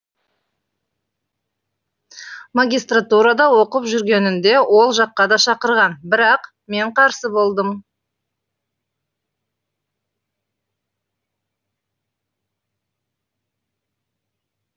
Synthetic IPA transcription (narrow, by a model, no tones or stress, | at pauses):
maɡʲijst̪rat̪uɾɑd̪ɑwo̞qəpʒʏɾɡʲe̞nɪnd̪e̞wʔo̞lˠʒɑqːɑd̪ɑʃɑqəɾʁɑnbɪɾɑq | me̞ɴqʰɑɾsəbo̞lˠd̪əm